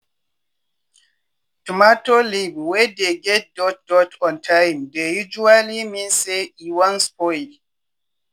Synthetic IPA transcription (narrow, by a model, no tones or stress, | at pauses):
tumatolibwɛdeɡɛt̚dɔt̚dɔtʰɔ̃ntʰajmdejud͡ʒualimĩnseiwɔ̃nspɔjl